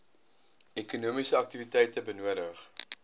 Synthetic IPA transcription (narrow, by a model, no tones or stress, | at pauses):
ɛkunuəmisəɐk̚tivitɛjtəbənuəɾəχ